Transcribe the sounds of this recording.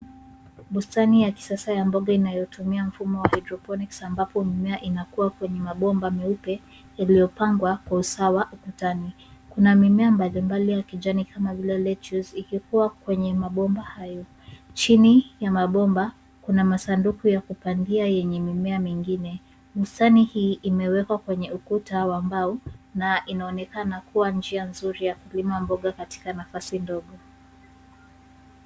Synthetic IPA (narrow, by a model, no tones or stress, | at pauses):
ɓustanijaki̥sasajambɔɠainajɔtumiam̩fumɔwahadɾɔpɔniksambapɔmimɛaʔinakuwakwɛɲɛmaɓɔmbamiupɛ | jalijɔpaŋɡwakwausawaʔukutani | kunamimɛambalimbalijakiʄanikʰamavilɛlɛtuzikikuwakwɛɲɛmaɓɔmbahajɔ | t͡ʃinijamaɓɔmba | kunamasandukujakupandiajɛɲɛmimɛamiŋɡinɛ | mustanihiːʔimɛwɛkwakwɛɲɛukutawambaunaʔinaɔnɛkanakuwand͡ʒianzuɾijakulimambɔɠakati̥kanafasindɔɠɔ